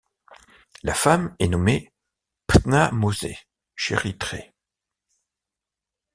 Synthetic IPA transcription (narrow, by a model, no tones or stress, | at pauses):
lafamɛnɔme | p̪namozḛ | ʃḛʁit̪χḛ